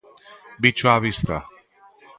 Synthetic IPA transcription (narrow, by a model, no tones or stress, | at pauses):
bit͡ʃaːvist̪a̰